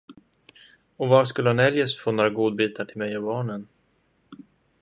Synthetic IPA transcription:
ɔvaʂkɵlːəhanɛljəsfoːnoːɾaɡuːd̪̚biːt̪aʈʰɪlmɛjɔbɑːɳən

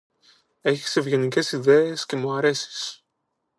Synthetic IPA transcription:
e̞çi̥se̞vʝe̞nice̞siðe̞esce̞muɐɾe̞si̥s

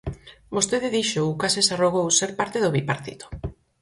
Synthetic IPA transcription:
bost̪eðeðiʃoukasesaroɣowseɾpaɾt̪eðoβipaɾt̪ḭt̪o̥

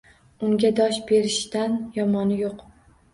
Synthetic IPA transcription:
ʊŋɡʲad̪ɒʃbe̞ɾɪʃd̪̥anjɒmɒnɪjoq

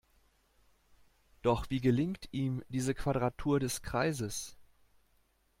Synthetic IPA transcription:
d̥ɔχv̥iːɡəlɪŋktʰiːmdiːzəkv̥adʁatʰuːɐdɛskʁ̥aɪzəs

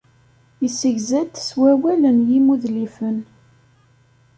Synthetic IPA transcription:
isəʝzæd̪swæwælənjimuðlifən

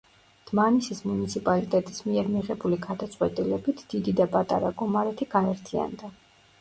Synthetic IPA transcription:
d̪̥manisismunit̪sʰipʼalit̪ʼɛt̪ʼismiɛɾmiʁɛbuliɡad̪at̪sʼqwɛt̪ʼilɛbit̪ʰd̪̥id̪id̪apʼat̪ʼa̰ɾa̰ɡɔmaɾɛt̪ʰiɡaɛɾt̪ʰia̰nd̪a

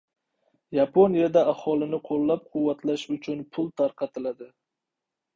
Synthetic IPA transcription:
japʰonijad̪aahɒlˠɪnɪqʰolˠːap̚qʰʊwːat̪ʰlaʃʊt͡ʃʰʊnpʰʊlˠt̪ʰaɾqʰɑt̪ʰɪlad̪ɪ

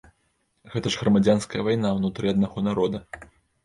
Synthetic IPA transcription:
ɣɛt̪ɐʐɣɾɐmad͡zʲanskɐjɐvajnawnut̪ɾɨad̪naɣɔnaɾɔd̪ɐ

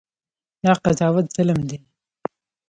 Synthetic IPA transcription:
d̪ɑqazɑwat̪z̥aləmd̪e

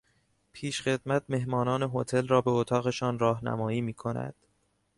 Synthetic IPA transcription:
pʰiːʃxe̞d̪̥̚mæt̪̚ʰme̞ɦmɒːnɒːne̞ɦot̪ʰe̞lrɒːbeot̪ʰɒːɣe̞ʃɒːnrɒːɦnæ̰mɒːiːmiːkʰo̞næ̰d̪̥

